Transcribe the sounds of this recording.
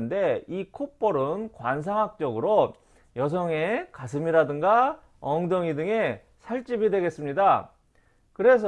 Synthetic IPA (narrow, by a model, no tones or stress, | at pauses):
nde̞ikʰop͈ʌɾɯnkwans̬ʰaŋɦak̚t͡ɕ͈ʌɡɯɾo | jʌs̬ʰʌŋe̞kas̬ʰɯmiɾadɯŋɡa | ʌŋdʌŋidɯŋe̞ | sʰaɭt͡ɕ͈ibidwe̞ɡe̞s͈ɯmɲida | kɯɾe̞s̬ʰ